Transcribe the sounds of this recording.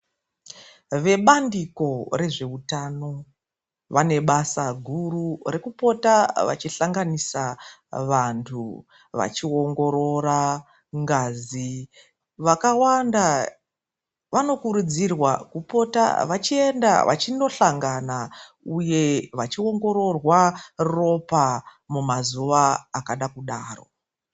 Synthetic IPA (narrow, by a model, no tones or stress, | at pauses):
ʋe̞ɓandiko̞re̞ʐe̞utano̞ | ʋane̞ɓasaɡʱurure̞kupo̞taʋa̰t͡ʃiɬaŋɡanisaʋantʰṵ | ʋa̰t͡ʃio̞ŋɡo̞ɾo̞ɾa | ŋɡazi | ʋakawanda | ʋano̞kuɾud͡zirwakupo̞ta̰ʋat͡ʃie̞nda̰ʋʔa̰t͡ʃindo̞ɬaŋɡana | uje̞ʋat͡ʃio̞ŋɡo̞ɾo̞rwaro̞pa | mumazuʋaːkaɗakuɗaːro̞̰